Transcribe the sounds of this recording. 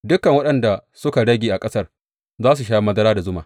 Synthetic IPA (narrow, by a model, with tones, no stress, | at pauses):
dʊ˦kɐ˨ŋwɐ˦ɗɐ˨nda˨sʊ˦ka˨ɽɐ˦ɡʲeː˨ʔa˨kʼɐ˦sɐ˦r | zaː˦s̬u˨ʃaː˦mɐ˦zɐ˦ɾaː˦da˨zʊ˦maː˨